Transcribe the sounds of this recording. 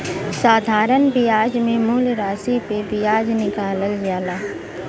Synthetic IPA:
saːd̪ʱaːɾənbijaːd͡ʒmẽmuːlɾaːsipebɪjaːd͡ʒnɪkaːləld͡ʒaːlaː

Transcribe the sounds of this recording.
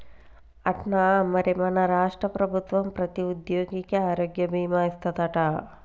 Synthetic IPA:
ɐʈnamɐɾemɐnɐɾaːʂʈɾɐpɾɐbʱut̪ʋɐmpɾɐt̪iud̪joːɡikeaːɾoːɡjɐbʱiːmaːist̪ʰɐt̪ɐʈa

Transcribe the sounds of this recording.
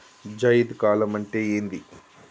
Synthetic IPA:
d͡ʒɐjid̪kaːlɐmɐɳʈeːeːnd̪i

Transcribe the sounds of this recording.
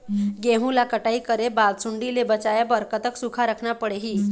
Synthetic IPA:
ɡeɦũlakəʈaikəɾebalsuɳɖilebət͡sajebəɾkət̪əksukʰaɾəkʰnapəɽeɦiː

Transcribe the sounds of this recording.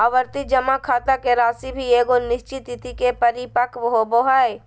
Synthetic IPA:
aʋəɾt̪id͡ʒɐmakʰaːt̪akeɾaːsibʱieːɡonɪʃt͡ʃɪt̪ɪt̪ikepɐɾipəkʰʋəɦoboɦaːj

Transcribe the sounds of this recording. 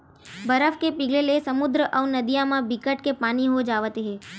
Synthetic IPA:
bəɾəfkepiɡlelesəmud̪ɾəʔəʋnəd̪ijamãbʱikəʈ̚kepaniɦod͡ʒaʋət̪eɦe

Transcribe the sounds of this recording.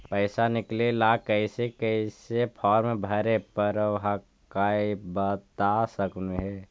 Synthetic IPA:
pəɪsanɪklelakəɪsekəɪsepʰɔːɾmẽbʱəɾepəɾʋɦa | kaːibət̪asəkneɦe

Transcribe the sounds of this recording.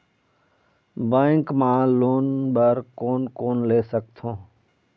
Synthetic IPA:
bə̃ːŋkmãːloːnbəɾkoːnkoːnleːsək̚t̪ʰõː

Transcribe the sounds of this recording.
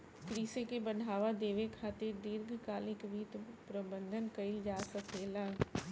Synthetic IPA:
kɾiːsekebəɖʱaːʋad̪eːʋekʰaːt̪ɪɾɖɪɾɡʱkaːlɪkʋiːt̪pɾəbə̃nd̪ʱənkɐild͡ʒaːsəkʰeːlãː

